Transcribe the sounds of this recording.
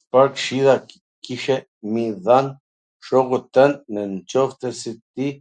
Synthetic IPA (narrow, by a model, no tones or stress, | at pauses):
paɾkʃiða | kiʃɛ | miðan | ʃɔɣut̪ənːənt͡ʃɔft̪əsit̪i